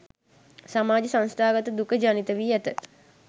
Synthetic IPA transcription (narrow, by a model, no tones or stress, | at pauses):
samaːd͡ʒəsãnst̪ʰaːɡət̪əd̪ukəd͡ʒaːnit̪əʋiːæt̪ət̪